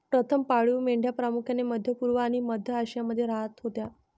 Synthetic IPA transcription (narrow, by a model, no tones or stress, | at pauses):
pɾət̪ʰəmpaɭuːmeɳɖʱjapɾamukʰjaneməd̪ʱjəpuɾʋəaɽ̃iməd̪ʱjəaɕjaməd̪ʱːjeɾaɦat̪ɦot̪ja